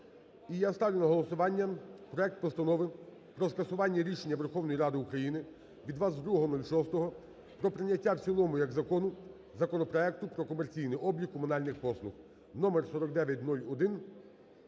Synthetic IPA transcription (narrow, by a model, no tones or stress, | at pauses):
ijast̪ɑʋʲlʲjʲʊnɐɦɔlˠɔsʊʋɑnʲːɐpɾɔɛk̚t̪̚pɔst̪ɐnɔʋɪ | pɾɔskɐsʊʋɑnʲːɐɾʲiʃenʲːɐʋerxɔwnɔjiɾɑd̪ɪukɾɐjinɪ | ʋʲid̪ʋɑsd̪ɾuɦɔɦɔnulʲʃɔst̪ɔɦɔ | pɾɔpɾɪnʲːɐtʲːaw̪sʲilˠɔmʊjɐɡzɐkɔnʊ | zɐkɔnɔpɾɔɛk̚t̪ʊpɾɔkɔmert͡sʲijnɪʔɔbjʲikːɔmʊnɑlʲnɪxpɔslˠʊx | nɔmersɔɾɔkd̪ɛʋʲjɐt̚ʲnulʲɔd̪ɪn